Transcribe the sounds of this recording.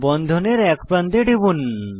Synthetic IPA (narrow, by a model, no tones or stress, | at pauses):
bɔnd̪ʱoneɾɛkpɾant̪eɖibun